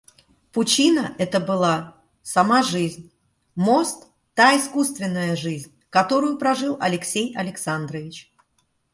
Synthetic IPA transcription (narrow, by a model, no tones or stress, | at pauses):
pʊt͡ɕinəʔɛt̪əbɨlˠa | sɐmaʐɨzʲnʲ | mo̞st̪ː | aɪskust̪vʲɪnːəjəʐɨzʲnʲkɐt̪o̞ɾʊjʊpɾɐʐɨlˠɐ̰lʲɪksʲejɐlʲɪksand̪ɾəvʲɪt͡ɕ